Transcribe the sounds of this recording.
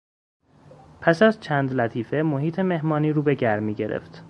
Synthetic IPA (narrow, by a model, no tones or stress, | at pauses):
pʰæsæzt͡ʃʰæːnd̪læt̪ʰiːfe̞moɦiːt̪ʰeme̞ɦmɒːniːɾuːbe̞ɟæɾmiːɟe̞ɾḛft̪